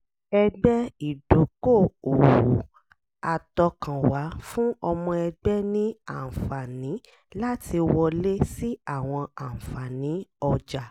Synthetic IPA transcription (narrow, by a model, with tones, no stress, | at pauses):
ɛ˧ɡ͡bɛ˦i˦˨do˨˦ko˦˨o˨wu˨˦ | a˨tɔ˧kã˨wa˨˦fũ˦ɔ˧mɔ̃˧ɛ˧ɡ͡bɛ˦nĩ˦a̰˦˨fa˨nĩ˨˦ | la˦ti˧wɔ˧le˦si˦a˦˨w̃ɔ̃˧ã˨fa˨nĩ˨˦ɔ˧d͡ʒa˨